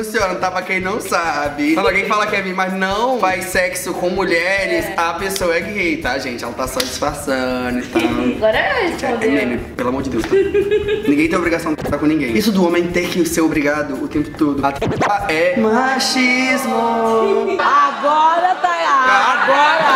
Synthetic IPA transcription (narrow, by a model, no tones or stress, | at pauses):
sĩoɾnɐ̃t̪apɾɐkẽj̃nɐ̃w̃sabɪɐ̃awɡẽj̃falɐkɪɛvĩmɐznɐ̃w̃vajsɛksʊkõw̃muʎɛɾɪsapesoɐɛɡɪhejt̪aʒẽnt͡ʃɪɛlɐt̪assat͡ʃi̥sfaɾsɐ̃d̪ʊɪt̪aɡɔɾɛẽt͡ʃamẽmẽpelamoɾd͡ʒɪd̪ewst̪anĩɡẽj̃t̪ẽobɾiɡasɐ̃w̃ɪpẽsaɾkõnĩɡẽj̃isʊd̪ʊõmẽj̃t̪eɾkɪseɾobɾiɡad̪ʊʊt̪ẽmpʊ̥t̪od̪ʊat̪ɾaɐɛmaʃizmʊ | aɡɔɾɐt̪aaɡɔɾɐ